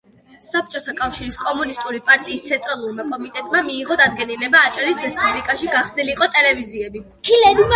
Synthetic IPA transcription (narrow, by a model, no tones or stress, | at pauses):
sap̚ʰt͡ʃʼɔt̪ʰakʼafʃiɾiskʼɔmunist̪ʼuɾipʼaɾt̪ʼiːst̪sʰɛnt̪ʼɾalˠuɾmakʼɔmit̪ʼɛt̪ʼmamiːʁɔd̪ad̪̚ɡɛnilɛbaːt͡ʃʼaɾisɾɛspʼublikʼaʃiɡaχsniliqʼɔt̪ʼɛlɛviziɛbi | kʰilɛd̪m